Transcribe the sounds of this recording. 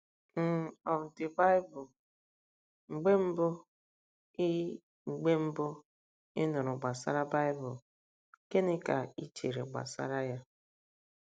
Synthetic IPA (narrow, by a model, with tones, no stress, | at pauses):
m̩˦˨ɔ˨tɪ˨ba˦ɪ˦bʊ˨ | ŋ͡m̩˨ɡ͡be˦m̩˦bʊ˦ | ɪ˦ | ŋ͡m̩˨ɡ͡be˦m̩˦bʊ˦ | ɪ̰˦nʊ˨ɾʊ˨ɡ͡ba˨sa̰˦ɾa˦ba˦ɪ˦bʊ˨ | ke˦nɪ˦ka̰˨i˦t͡ʃe˨ɾḛ˨ɡ͡ba̰˨sa̰˦ɾa˦ja˦